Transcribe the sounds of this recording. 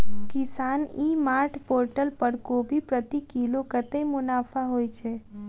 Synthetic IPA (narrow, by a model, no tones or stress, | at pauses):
kɪsaːnimaɾʈʰpoːɾʈəlpəɾkobʱipɾət̪ikilokət̪emʊnapʰaɦojt͡ʃʰe